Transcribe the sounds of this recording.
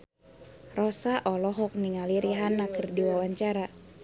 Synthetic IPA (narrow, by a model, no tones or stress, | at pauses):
rɔsaʔɔlɔɦɔk̚niŋaliɾiɦanakərdiwawaɲt͡ʃaɾa